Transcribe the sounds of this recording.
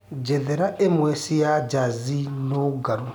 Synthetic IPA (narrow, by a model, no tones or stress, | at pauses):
d͡ʒɛðɛɾaʔemwɛsijad͡ʒazinoɡaɾu